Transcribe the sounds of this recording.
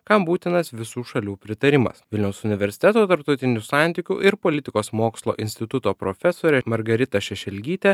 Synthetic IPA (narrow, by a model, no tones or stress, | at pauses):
kɐmbuːt̪ʲɪnɐsʋʲɪsuːʃɐlʲuːpʲɾʲɪt̪ɐɾʲɪmɐ̰sʋʲɪlʲnʲɛʊsʊnʲɪʋʲɛɾʲsʲɪ̥t̪ʲɛt̪oːt̪ɐɾp̚t̪ɒʊt̪ʲɪnʲusɑˑnʲt̪ʲikʲṵʔɪɾpoːlʲɪt̪ʲɪkoːsmoːkslˠo̰ːʔɪnʲst̪ʲɪt̪ʊt̪oːpɾo̰fʲɛsoːɾʲɛmɐɾɡɐɾʲɪt̪ɐʃʲɛʃʲɛlʲɡʲiːt̪ʲɛ